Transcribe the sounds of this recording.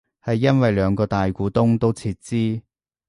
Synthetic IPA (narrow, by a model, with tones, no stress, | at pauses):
hɐ˨jːɐ˥nwɐ˨jlœː˨˧ŋkɔː˧t̪aː˨jkuː˨˥t̪ʊ˥ŋt̪o˥wt͡sʰiː˧t̚t͡siː˥